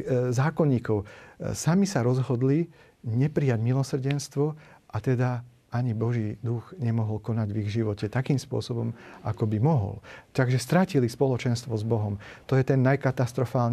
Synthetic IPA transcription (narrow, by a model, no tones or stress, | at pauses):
zaːkɔɲiːkɔʊsamisaɾɔzɦɔd̪li | ɲɛpɾijaɟmilɔsr̩ɟɛnst̪ʋɔʔat̪ɛd̪a | ʔaɲibɔʒiːd̪uɣɲɛmɔɦɔlkɔnaɟʋiɣʒiʋɔcɛt̪akiːmspʊɔ̰sɔbɔmakɔbimɔɦɔ̰lt̪aɡʒɛst̪ɾacilispɔlɔt͡ʃɛnst̪ʋɔzbɔɦɔm | t̪ɔjɛt̪ɛnːajkat̪ast̪ɾɔfaːlɲ